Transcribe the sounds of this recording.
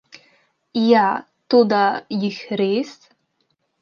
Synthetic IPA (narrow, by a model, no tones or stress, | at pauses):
ja | tudajixʲres